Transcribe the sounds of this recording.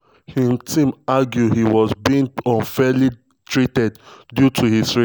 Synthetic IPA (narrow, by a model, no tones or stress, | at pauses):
himtʰĩmaɡjuhiwɔzbiĩŋɔ̃nfɛli | tʰɹitɛddjutʰuhisɹi